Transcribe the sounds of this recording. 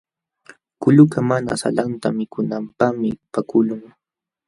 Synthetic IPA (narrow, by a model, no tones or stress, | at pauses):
kʊʎʊkamana̰sa̰lant̪amɪkʊnampamɪpakʊlʊŋ